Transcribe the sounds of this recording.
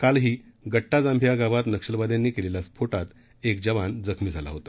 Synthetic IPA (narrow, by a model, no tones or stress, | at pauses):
kalɦiːɡəʈːad͡zãmbʱjaɡaʋat̪nəkʂəlʋad̪jãnːiːkelelaspʰoʈat̪ | ek̚d͡ʑəʋand͡zəkʰmiːd͡zʱala̰ɦot̪ḁ